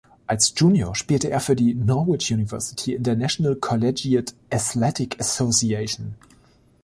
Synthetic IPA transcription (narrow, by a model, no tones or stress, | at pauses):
ʔalsd̥ʒ̥uːnjoʃpiːltəʔeːɐfyːɐdinɔwɪt͡ʃjuːnɪvɜɐsɪ̥tʰiɪ̃ntənæʃənəlkʰɔlɛd͡ʒiətʔaθlɛtɪkʰəsoʊsieɪʃn̩